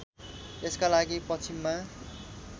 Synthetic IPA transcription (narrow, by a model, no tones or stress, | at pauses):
eskalaɡipʌt͡sʰimːa